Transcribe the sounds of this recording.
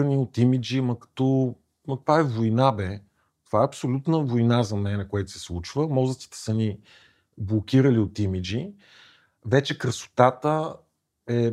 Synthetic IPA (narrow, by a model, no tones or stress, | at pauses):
əniot̪imid͡ʒimɐkɐ̥t̪ɔ | mɐt̪ovaɛvojnabɛ | t̪ovaɛɐpsolʲut̪nəvojnazɐmɛnɛkoɛt̪ʊ̥sɛ̥slˠut͡ʃvəmɔzəst̪si̥t̪ɛ̥səni | blˠok̟ʲiɾəliot̪imid͡ʒi | vɛt͡ʃɛkɾəso̥t̪at̪ə | ɛ